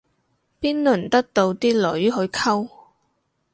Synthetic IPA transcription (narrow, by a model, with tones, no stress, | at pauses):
piː˥nlɵ˨˩nt̪ɐ˥k̚t̪o˧wt̪iː˥lɵ˨˥ɥɦɵ˨˧ɥkʰɐ˥w